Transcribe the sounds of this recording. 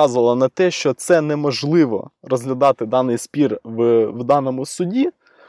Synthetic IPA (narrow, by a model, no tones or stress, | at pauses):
ɑzʊʋɐlˠɐnɐt̪ɛʃt͡ʃɔt̪sɛnɛmɔʒlˠɪʋɔ̰rɔzɦlʲɐd̪ɑt̪ɪd̪ɑnɪjspʲirʋʋd̪ɑnɔmʊsʊdʲi